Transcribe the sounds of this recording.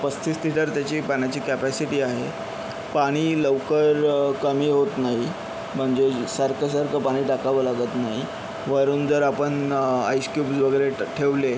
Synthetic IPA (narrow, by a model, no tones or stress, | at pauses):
pəst̪ʰiːst̪ʰiʈəɾt̪jat͡ɕiːpaɳ̃jat͡ɕiːkæpæsiʈiːaɦe | paɽ̃iːləʋkəɾkəmiːɦot̪naɦi | m̤əɳd͡ʑesaɾkʰəs̬əɾkəpaɽ̃iːʈakaʋolaɡət̪naɦi | ʋəɾuːnd͡zəɾapəɳajskjuːpsʋəɡəɾeʈʰeʋle